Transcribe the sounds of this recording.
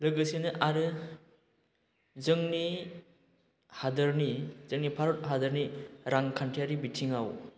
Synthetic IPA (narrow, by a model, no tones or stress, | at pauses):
lɯɡɯsinɯʔaɾɯ | zɯŋni | hadɯɾnizɯŋnipʰaɾot̚ɦadɯɾniɾaŋkʰantʰijaɾibitʰiŋaw